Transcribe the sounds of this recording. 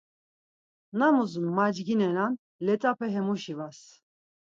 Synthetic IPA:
namuzumːad͡ʒɡinɛnan | lɛt͡sʼapʰɛɦɛmuʃivas

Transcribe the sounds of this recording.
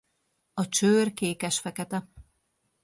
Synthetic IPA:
ɒt͡ʃøːrkeːkɛʃfɛkɛt̪ɛ

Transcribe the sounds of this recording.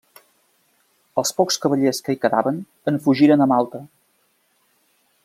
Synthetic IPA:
əlˠspɔkskəβəʎeskəikəða̰βən | əɱfuʒiɾənəmalˠt̪ə

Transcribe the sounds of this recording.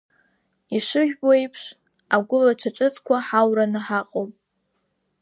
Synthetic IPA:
iʂɨʒᶣboejpʰʂ | aɡʷʊlat͡ʃʷʰaʈ͡ʂʼɨt͡sʰʼkʷʰaħawranɨħaqʼomʼ

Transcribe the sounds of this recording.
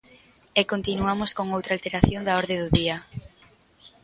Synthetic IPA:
ekont̪inuamʊskoŋowt̪ɾalt̪eɾaθjond̪aɔɾðeðʊðia

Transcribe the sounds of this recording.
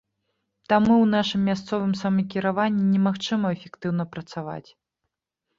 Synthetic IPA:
t̪amuwnaʂɨmːʲast̪sɔvɨmsɐmɐk̬ʲiɾavanʲːinʲɛmaxt͡ʂɨmɐɛfʲɛkt̪ɨwnɐpɾɐt̪sava̰t͡sʲ

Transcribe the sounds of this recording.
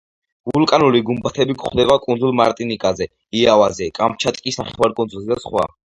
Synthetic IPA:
vulkʼanuliɡumbat̪ʰɛbikʰʼχd̪ɛbakʼund̪zulˠmaɾt̪ʼinikʼazɛ | iavazɛkʼampʰt͡ʃʰat̪ʼkʼisnaχɛwaɾkʼund̪zulzɛd̪asχwa̰

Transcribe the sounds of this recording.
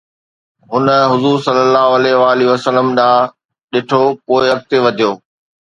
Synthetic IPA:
ɦʊnəɦʊzuːɾsɐlːəlːaːɦoɐlɛːɦɪʋaːliʋəsələmɗãː | ɗɪʈʰopoːɪɐk̚t̪eʋɐd̪ʱijoː

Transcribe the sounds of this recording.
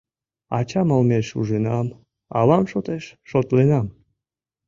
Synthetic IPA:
ɑt͡ɕɑməlmeʃuʒenɑm | ɑ̰lɑmʃot̪eʃːot̪lenɑm

